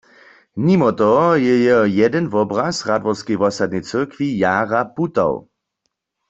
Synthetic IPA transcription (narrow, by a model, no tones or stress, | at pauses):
nimɔt̪ɔjɛjɛjɛdɛnvɔbʁasʁadʋɔʁskɛjʋɔsad̪̚nɛjt͡sɨʁkʋijaːʁaput̪a̰w